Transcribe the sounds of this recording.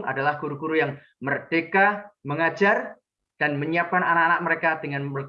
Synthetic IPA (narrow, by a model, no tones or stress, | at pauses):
ŋʔa̰dalahɡ̥uɾuɡuɾujaŋ | mərd̥ekaməŋad͡ʒar | d̥anməɲiap̚kananakanak̚məɾekadəŋanər